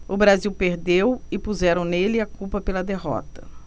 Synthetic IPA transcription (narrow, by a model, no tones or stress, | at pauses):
ʊbɾaziwpeɾd̪ewɪpuzɛɾɐ̃w̃nelɪakupɐpelɐd̪eɦɔ̰t̪ɐ